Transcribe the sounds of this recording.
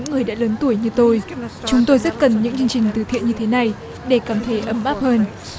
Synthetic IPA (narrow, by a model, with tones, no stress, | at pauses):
ɨ̰˧˥ŋːɨ˨˩əjɗa̰ː˧˥ləː˨˦nt̪u˧˩əjɲɨ˧t̪o˧jt͡ɕʊ˨˦ŋ͡mt̪o˧jzə˦˥t̚kə˨˩nɲɨ̰˧˥ŋt͡ɕɨ˧əŋt͡ɕï˨˩ŋ̟t̪ɨ˨˩t̪ʰḭ˧˨ənɲɨ˧t̪ʰe˨˦na˨˩j | ɗe˧˩kaː˧˩mt̪ʰe˨˦ʔə˧˩mɓaː˦˥p̚həː˧n